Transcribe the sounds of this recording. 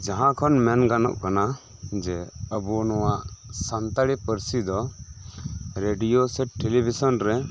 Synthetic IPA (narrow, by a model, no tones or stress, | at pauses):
d͡ʒaɦãkʰɔnmɛnɡanɔ̰ʔkana | d͡ʒɛəbunɔwaʔsant̪aɽipəɾsid̪ɔ | ɾeɖijosɛʈelibʱisɔnɾɛ